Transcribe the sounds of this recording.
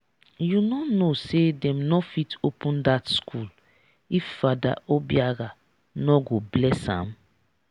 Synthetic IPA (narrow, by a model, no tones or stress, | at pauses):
junɔnosedɛ̃mnɔfitʰopʰũndatskʰul | ifːada̰ʔobiaɡa | nɔɡoblɛsã̰m